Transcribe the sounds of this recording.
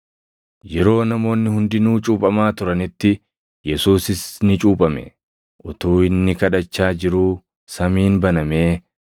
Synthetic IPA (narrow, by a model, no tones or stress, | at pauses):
jɛɾo̞ːnɐmo̞ːnːɪhʊnd̪ɪnuːt͡ʃʼuːpʼɐmaːt̪ʊɾɐnɪt̪ːɪ | jɛsuːsɪsnɪt͡ʃʼuːpʼɐmɛ̰ | ʔʊt̪uːɪnːɪkɐᶑɐt͡ʃːaːd͡ʒɪɾuː | sɐmiːnbɐnɐme̞ː